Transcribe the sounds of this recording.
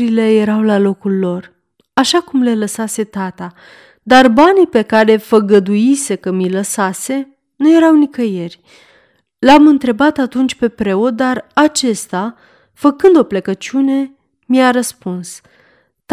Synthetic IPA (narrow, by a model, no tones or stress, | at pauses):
ɾile̞je̞ɾawlalo̞kulːo̞r | aʃakumle̞ləsase̞t̪at̪a | d̪arbanipe̞kaɾe̞fəɡəd̪ujise̞kəmiləsase̞ | nuje̞ɾawnikəje̞rʲ | lamɨnt̪ɾe̞bat̪at̪unt͡ʃʲpe̞pɾe̞o̞t̪̚d̪arat͡ʃe̞st̪a | fəkɨnd̪o̞plekət͡ʃune̞ | miaɾəspuns | t̪